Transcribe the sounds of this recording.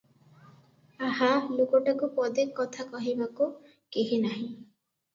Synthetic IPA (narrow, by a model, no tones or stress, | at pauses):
aɦalokɔʈakupɔd̪ekːɔt̪ʰakɔɦibaku | keɦinaɦĩ